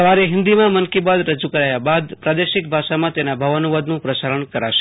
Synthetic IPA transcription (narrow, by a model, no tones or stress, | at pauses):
əʋaɾeɦɪnd̪imãmənkibad̪ɾəd͡ʒukəɾajabad̪pɾad̪eʃɪk̚bʱaʃamãt̪enabʱəʋənuʋad̪nũpɾəsaɾəɳkəɾa̰ʃe̥